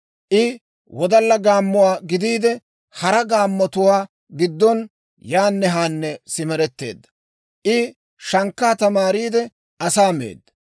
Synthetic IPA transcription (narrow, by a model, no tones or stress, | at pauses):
ʔɪ | wɔd̪ɐlːɐɡaːmːʊwaːɡɪd̪iːd̪ɛ | hɐɾɐɡaːmːɔt̪ʊwaː | ɡɪd̪ːɔn | jaːnːɛɦaːnːɛsɪmɛɾɛt̪ːe̞̰ːd̪ːɐ̥ | ʔɪ | ʃɐŋkːaːt̪ɐmaːɾiːd̪ɛ | ʔɐsaːmḛːd̪ːɐ̥